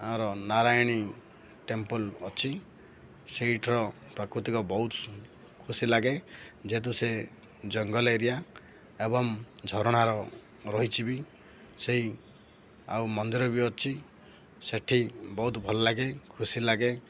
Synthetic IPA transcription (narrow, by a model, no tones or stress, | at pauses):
aɾɔnaɾajɽ̃i | ʈempɔlɔt͡ʃʰi | seiʈʰɾɔ | pɾɔkɾut̪ikɔbɔɦut̪ | kʰusilaɡed͡ʒet̪̬use | d͡ʒɔŋɡɔleɾija | ebɔŋd͡ʒʱɔɾɔɽ̃aɾɔ | ɾɔɦit͡ʃʰibi | seɦi | a̰wmɔnd̪iɾɔbiɔt͡ʃʰi | seʈʰibɔɦut̪bʱɔlɔlaɡekʰusilaɡe